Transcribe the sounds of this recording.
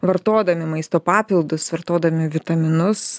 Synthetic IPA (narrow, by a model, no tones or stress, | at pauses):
ʋɐɾt̪oːd̪ɐmʲɪmɐɪst̪oːpɑːpʲɪlˠd̪ʊsʋɐɾt̪oːd̪ɐmʲɪʋʲɪt̪ɐmʲɪnʊs